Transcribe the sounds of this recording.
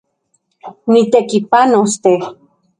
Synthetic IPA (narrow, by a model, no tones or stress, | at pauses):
nit̪ekipanost̪e